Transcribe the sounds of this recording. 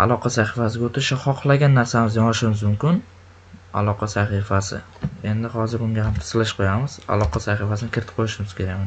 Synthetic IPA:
a̰lˠɒqʰɑsaχifasɪɡʲaot̪ʰɪɪʃaχɒqʰlˠaɡʲanːaɾsamɪzjɒŋlɪʃɪmɪzmʊmkʲɪn | a̰lˠɒqʰɑsaχifasɪ̰ | e̞nd̪ɪhɒzɪɾʊŋɡʲahamt̪ʰɪ̥slɪʃqʰojamɪz̥a̰lˠɒqʰɑsaχifasɪnɪkʲʰɪɾɪt̪ʰɪ̥p̚qʰojɪʃɪmɪz̥kʲʰe̞ɾaɡʲma

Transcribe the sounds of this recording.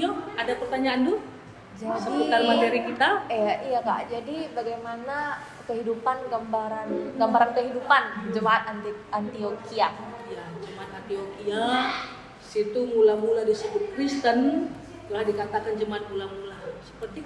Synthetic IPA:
oadapərt̪aɲaʔːndu | d͡ʒadsəpiut̪armat̪eɾikit̪aaijaka̰ʔd͡ʒadibaɡajmana | kəɦidupanɡambaɾanɡambaɾankəɦidupand͡ʒəmaat̪̚ant̪ant̪iokiajad͡ʒəmaat̪ant̪iokia | sit̪uŋulamuladisəbʊt̪̚kɾist̪ən | t̪ulahdikat̪akand͡ʒəmaat̪̚mulamulasə̥pərt̪i

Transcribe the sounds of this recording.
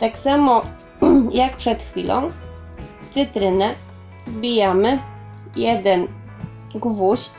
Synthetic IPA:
t̪aksamɔ | jakpʂɛt̪xfʲilʔɔ̰̃w̃ | ft̪sɘt̪ɾɘnɛ | bʲijamɘ | jɛd̪ɛn | ɡvuɕ

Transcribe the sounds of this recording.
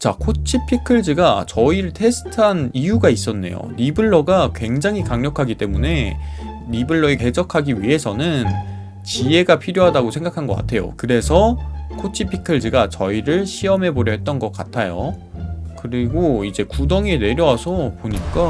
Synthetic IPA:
t͡ɕa̰kʰot͡ɕʰipʰikʰɯɭd͡ʑɯɡat͡ɕʌiɾɯɭtʰe̞sʰɯ̥tʰanijuɡais͈ʌnːe̞̰jo̰ɾibɯɭːʌɡakwe̞ŋd͡ʑaŋɦikaŋɲʌkʰaɡit͈e̞mune̞ | ɾibɯɭːʌeke̞d͡ʑʌkʰaɡiɥiɦe̞sʰʌnɯn | t͡ɕie̞ɡapʰiɾjoɦadaɡosʰe̞ŋɡakʰanɡʌk͈a̰tʰe̞jo̰kɯɾe̞sʰʌkʰot͡ɕʰipʰikʰɯɭd͡ʑɯɡat͡ɕʌiɾɯɭɕʰiʌmɦe̞boɾjʌɦe̞t̚t͈ʌnɡʌk͈a̰tʰajo̰ | kɯɾiɡoid͡ʑe̞kudʌŋene̞ɾjʌwasʰʌpoɲik͈a

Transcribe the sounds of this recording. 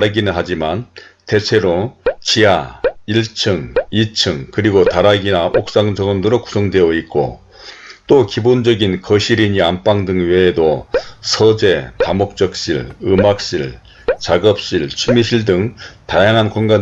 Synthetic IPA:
ɾaɡinɯnɦad͡ʑimante̞t͡ɕʰe̞ɾot͡ɕiaiɭt͡ɕʰɯŋit͡ɕʰɯŋkɯɾiɡotaɾaɡinaʔok̚s͈aŋd͡ʑʌŋʌndɯɾoku̥sʰʌŋdwe̞jʌik͈o̰ | t͈okibond͡ʑʌɡinkʌɕʰiɾiɲiamp͈aŋdɯŋwe̞ːdosʰʌd͡ʑe̞tamok̚t͡ɕ͈ʌk̚ɕ͈iɭɯmak̚ɕ͈iɭ | t͡ɕaɡʌp̚ɕ͈iɭt͡ɕʰumiɕʰiɭdɯŋtajaŋɦankonɡa

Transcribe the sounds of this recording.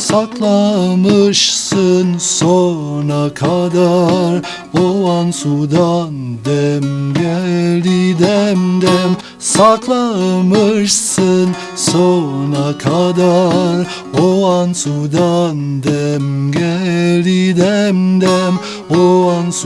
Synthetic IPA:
sɑq̪lˠɑməʃsənsonɑkʰɑd̪ɑɾ | oɑnsud̪ɑnd̪ɛmɡʲɛlid̪ɛmd̪ɛm | sɑq̪lˠɑmɯʃsən | sonɑkʰɑd̪ɑɾ | oɑnsud̪ɑnd̪ɛmɡʲɛlid̪ɛmd̪ɛm | oɑns

